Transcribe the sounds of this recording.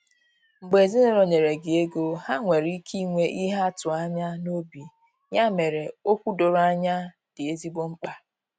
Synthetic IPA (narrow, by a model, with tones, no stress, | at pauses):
ŋ͡m̩˨ɡ͡be˨zi˦no˦ɾo˨ɲe˨ɾe˨ɡɪ˨e˦ɡo˦ha˦ŋʷe˨ɾi˦kʰi˦ŋʷe˦ʔi˦ɦa˦tʊ˨a˦ɲa˦no˦bi˨ | ɲa˦me˨ɾe˨o˦kʷu˦do˨ɾa˦ɲa˦ | d̥ɪ˨e˦zi˦ɡ͡bo˦ŋ͡m̩˦k͡pa˦